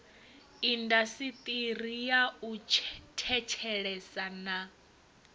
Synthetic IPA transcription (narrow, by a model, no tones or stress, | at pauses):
indasit̪ʼirijaut͡ʃʰtʰɛt͡ʃʰɛɺɛsana